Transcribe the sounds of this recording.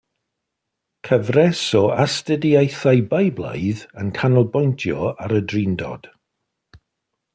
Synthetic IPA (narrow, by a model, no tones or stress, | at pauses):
kʰəvrɛsɔastədiajθajbajblˠa̰jðənkʰanɔlˠbɔjntʰjɔ̰aɾədrindɔ̰d̥